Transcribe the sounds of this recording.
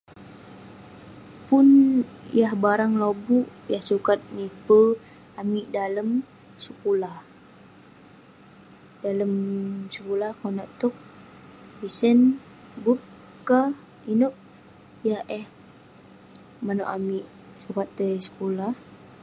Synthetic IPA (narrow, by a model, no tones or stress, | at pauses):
punjahbaɾaŋlobuʔjahsukat̪̚mipə | amiʔdaləm | səkulah | daləmsəkulahkonaʔt̪ɔk̚ | bisən | bup̚ | ka | inuʔ̚ | jahɛh | mano̰ʔamiʔ | sukat̪ːəsə̥kulah